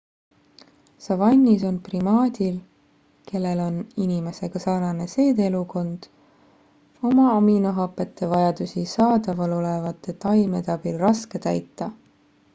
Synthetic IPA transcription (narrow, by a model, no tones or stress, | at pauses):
sɑvɑnʲːiso̞nprimɑːd̪̥ʲil | ke̞lːe̞lo̞ninime̞se̞ɡ̥ɑsɑrnɑne̞se̞ːd̪eluko̞nd̪̥ | o̞mɑɑminoɦɑpːˑe̞t̪ːe̞vɑjɑd̪usisɑːd̪ɑvɑlo̞le̞vɑt̪ːˑe̞t̪ɑjme̞t̪ɑb̥ilrɑske̞t̪æ̰jt̪ˑːɑ